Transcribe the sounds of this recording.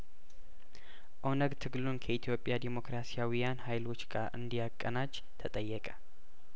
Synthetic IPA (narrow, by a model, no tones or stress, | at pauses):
ʔownəɡt̪ʰɨɡlunkʰəit̪ʰjo̞pʼjad̪emo̞kɾasijawijanhajlo̞t͡ʃːɡaʔɨ̰nd̪ijakʼːənad͡ʒ | t̪ʰət̪ʼəjːɛkʼə̥